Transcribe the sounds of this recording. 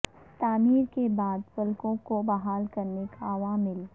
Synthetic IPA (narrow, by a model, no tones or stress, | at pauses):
t̪aːmiːɾkebaːd̪fʊlkõkobɐɦaːlkɐɾnekʰaɐʋaːmːɪl